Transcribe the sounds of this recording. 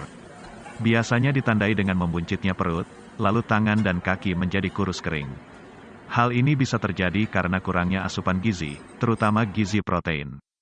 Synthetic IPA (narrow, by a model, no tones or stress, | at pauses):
biasaɲadit̪andaidəŋanməmbuɲt͡ʃɪt̪̚ɲapəɾʊt̪̚ | lalut̪aŋandankakiməɲd͡ʒadikuɾʊskəɾɪ̰ŋ | halinibisat̪ərd͡ʒadikaɾənakuɾaŋɲaasupanɡizḭt̪əɾut̪amaɡizipɾot̪eɪ̰n